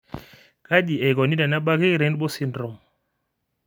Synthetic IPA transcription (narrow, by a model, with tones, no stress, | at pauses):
ka˦ɗi˨ɛ˨ɣɔ˨ni˦da˨na˦ɓa˦ɣi˦˨ɾɛ˨˦ndɓɔ˦si˦ndɾɔ˨m